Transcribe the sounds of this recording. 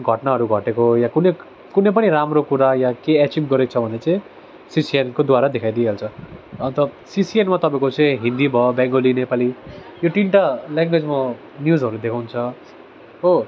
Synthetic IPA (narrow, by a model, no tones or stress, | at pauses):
ɡʱʌʈnaɦʌɾuɡʱʌʈekojakune | kunʌp̬ʌniɾamrokuɾajakeɛt͡ʃibɡʌɾekt͡sʰʌbʱʌnet͡saĩ | sisienkod̪waɾad̪ekʰajd̪ieɦelt͡sʰʌʌnt̪ʌ | sisienmat̪ʌpaẽkot͡sʌĩɦind̪ibʱʌbjãŋɡolinepalijoʈiɳʈalaŋɡwed͡zma | njuzʌɾud̪ekʰawnt͡sʰʌ | ɦo